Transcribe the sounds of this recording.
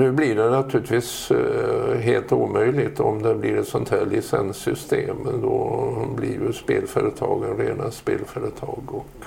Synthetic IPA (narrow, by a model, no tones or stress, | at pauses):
nʉ̟ːblɪɖɛnat̪ʰʉ̟ɾlɪt̪viːs | ɦeːlt̪uːmœʏlɪɡt̪ɔmd̪ɛblɪɾɛt̪sɔnt̪ʰhæːɭɪsɛnsːʏst̪eːmnd̪ɔblɪɾjɵspeːlfœːɾət̪ʰɑ̰ːɡənɾeːnaspeːlfœːɾət̪ʰɑːɡɔk